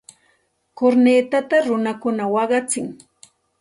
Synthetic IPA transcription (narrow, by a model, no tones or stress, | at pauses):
koɾneːt̪at̪aɾʊnakʊnawɑɢɑt͡sɪŋ